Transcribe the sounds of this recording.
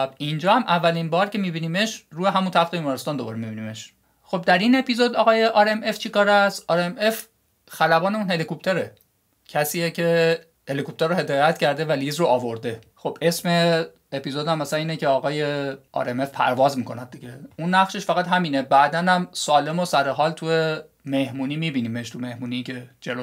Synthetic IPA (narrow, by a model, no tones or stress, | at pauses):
bind͡ʒɒːhæmʔævːælinbɒːɾcʰe̞miːbiːniːme̞ʃruːjeɦæmunt̪ʰæft̪ebiːmɒːɾest̪ɒːnd̪o̞bɒːɾemibiniːme̞ʃ | xo̞b̚d̪æɾine̞pizod̪ɒɣɒːjeʔɒɾeme̞ft͡ʃʰikɒːɾæsʔɒːɾeme̞f | xælæbɒːneunhe̞likop̚t̪ʰeɾe | cʰæsiːjecʰe̞ | he̞likʰop̚t̪eɾohe̞d̪ɒːjæt̪cʰæɾd̪e̞væliːzroɒːvoɾd̪e̞xo̞b̥e̞sme̞ː | piːzod̪æmːæsæniːnecʰeɒːɣɒːjeɒ̰ːɾeme̞fpʰæ̰ɾvɒːzmiːko̞næd̪̚d̪iɟeunːæχʃeʃfæɣæt̪ɦæmiːnebæʔd̪ænæmsɒːle̞mosæɾeɦɒːlt̪ʰuje | me̞hmuːniːmiːbiːniːmeʃt̪ʰume̞hmuːnicʰe̞d͡ʒelo